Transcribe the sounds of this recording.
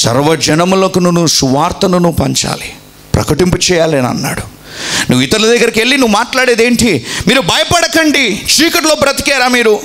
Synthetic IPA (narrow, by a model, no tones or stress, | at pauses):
sɐ̰ɾʋɐd͡ʒɐnɐmlokununːuːsuʋaːɾt̪ɐnunuːpɐɲt͡ʃa̰ːli | pɾɐ̰kɐʈimput͡ʃɛːjaːlɐnɐ̰nːa̰ːɽu | nuʋːit̪ɐɾulɐd̪ɐɡːɐɾikeɭːinuʋːumaːʈlaːɽeːd̪eːɳʈimiːɾubɐjɐpɐɽɐkɐɳɖit͡ʃiːkɐʈloːbɾɐt̪i̥kɛːɾaːmiːɾu